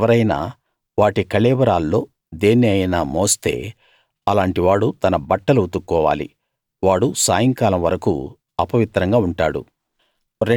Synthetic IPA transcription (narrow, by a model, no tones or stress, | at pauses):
ʋɐɾɐjna̰ː | ʋaːʈikɐɭɛːʋɐɾaːlːo̞ː | d̪e̞ːnːiɐjɐnaːmoːst̪e̞̰ː | ɐlaːɳʈiʋaːɽut̪ɐnɐbɐʈːɐlut̪ukːɔːʋa̰ːlḭ | ʋaːɽusaːjɐŋkaːlɐmʋɐɾɐkṵ | ɐpɐʋit̪ɾɐŋɡaːuɳʈaːɽṵ | ɾ